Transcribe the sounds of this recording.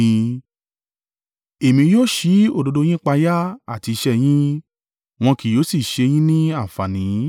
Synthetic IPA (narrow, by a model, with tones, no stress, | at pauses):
ĩ˧ | e˨mĩ˧˦joː˦˨ʃi˨˦o˦˨do˧do˧j̃ĩ˦k͡pa˧ja˦a˦˨ti˧i˧ʃɛ˦˨j̃ĩ˦ | w̃ɔ̃˧ki˨jo˨˦si˦˨ʃe˧j̃ĩ˦nĩ˦a˦˨fa˨nĩ˨˦